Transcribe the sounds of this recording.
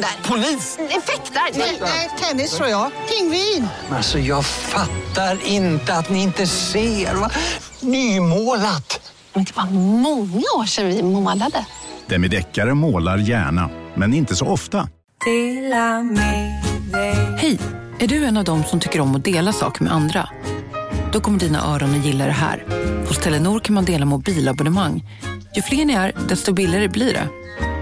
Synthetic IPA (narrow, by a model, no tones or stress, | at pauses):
pʰʊliːsɛfɛkt̪anɛɛt̪ʰɛnːɪsɔjɑkʰɪŋvɪ | alsɔjɑːɡfat̪ːaɾɪnt̪əat̪nɪɪnt̪əseːɾva | nyːmoːlat̪ | ɪnt̪ʰːəb̥ɑːɾamɔŋːaoːʂɛnvɪmoːlad̪əd̪̥ɛnmɛd̪ɛkːaɾəmoːlaɾjæ̰ːɳa̰mɛnɪnt̪əsɔɔft̪a | t̪ʰlmɛ | hɛj | ʔæɖɵɛnːavd̪ɔmsɔmt̪ʰʏkːəɾɔmːɔd̪eːlasɑ̰ːkəmɛ̰ʔand̪ɾa̰ | d̪̥ɔkʰɔmːəɖiːna̰ʔœːɾɔnɔjɪlːad̪ɛɦæ̰ːɾhɔst̪ʰɛlːənuːɾkʰanmand̪eːlamʊbiːlabɔnəmaŋː | jɵfleːɳɪæɾd̪ɛst̪ɔbɪlɪɡaɾəbliːɖɛ̰